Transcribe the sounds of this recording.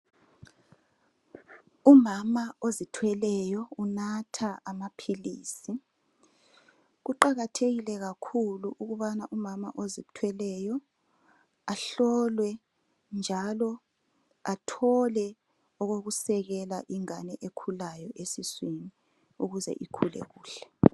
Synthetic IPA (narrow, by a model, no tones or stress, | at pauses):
umamaozitʰwɛlɛjɔunatʰaʔamapʰiliːsi | ɣuǃaɣatʰeɣilɛɣakʰuluʔuɣuβanaʔumama̰ʔozitʰwɛlɛjɔ | aɬɔlwɛ | nd͡ʒʱalɔ | atʰɔlɛ | ɔɣoɣusɛɣɛlaʔiŋanɛʔekʰulajɔʔesisweni | uɣuzɛ̰ʔikʰulɛ̰ɣuːɬɛ̥